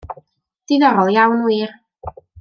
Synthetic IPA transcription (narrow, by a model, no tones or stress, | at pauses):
d̥ɪnɔɾɔlˠjawnwiːr